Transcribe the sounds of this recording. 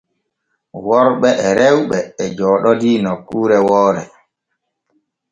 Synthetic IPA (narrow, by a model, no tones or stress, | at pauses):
wɔɾɓɛʔɛɾɛwɓɛːd͡ʒɔːɗɔdiːnɔkːuːɾɛwɔːɾɛ̰